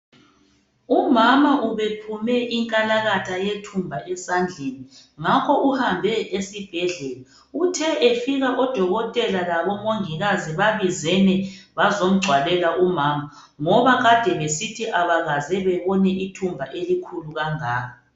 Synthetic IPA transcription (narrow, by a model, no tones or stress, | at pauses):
umamaʔuβepʰumɛʔiŋkʼalaɣatʰajetʰumbʱaʔɛsand͡ɮʱeni | ŋakʰɔʔuhambʱɛesib̥ʱɛɮɛla | utʰɛʔefiɣaʔɔd̥ʱɔɣɔtʼɛlalaβɔmoŋiɣaziβaβizɛnɛβazom̩ɡ͡ǀʱwalɛlaʔumaːma | ŋɔβaɣad̥ʱɛβesitʰiʔaβaɣazɛβɛβɔnɛʔitʰumbʱaʔelikʰuluɣaŋaːa